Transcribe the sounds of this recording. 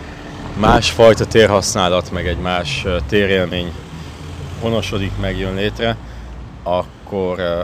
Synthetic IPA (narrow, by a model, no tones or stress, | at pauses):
maːʃfɒjt̪ɒt̪eːrɦɒsnaːlɒt̪mɛɡɛɟmaːʃt̪eːɾeːlmeːɲ | ɦo̞noʃo̞d̪ikmɛɡjønleːt̪rɛ | ɒkːor